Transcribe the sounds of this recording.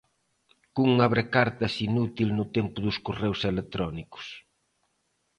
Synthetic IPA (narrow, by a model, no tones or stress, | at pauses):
kuŋaβɾekaɾt̪ɐsinut̪ilnʊt̪empʊðʊskorewselet̪ɾɔnikʊ̥s